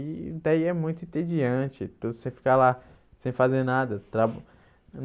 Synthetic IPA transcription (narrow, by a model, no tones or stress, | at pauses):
id̪aiɛmũj̃t̪ʊĩt̪ed͡ʒiɐ̃t͡ʃɪt̪ud̪ʊsẽj̃fi̥kala | sẽj̃fazeɾnad̪ɐt̪ɾab̪